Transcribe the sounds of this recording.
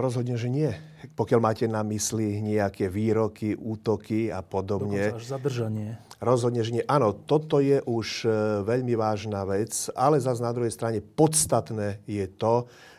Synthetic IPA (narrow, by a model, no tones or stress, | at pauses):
ɾɔzɦɔd̪ɲɛʒɛɲɪɛ | pɔkjalmaːcɛnamisliɲɛakʰɛʋiːɾɔkiʔuːt̪ɔkiapɔd̪ɔbɲɛʒzad̪r̩ʒaɲɪɛɾɔzɦɔd̪ɲɛʒɛɲɪɛʔaːnɔt̪ɔt̪ɔjɛʔuʃʋɛʎmiʋaːʒnaʋɛt͡salɛzaznad̪ɾuɦɛjst̪ɾaɲɛpɔt̪st̪at̪nɛːjɛt̪ɔ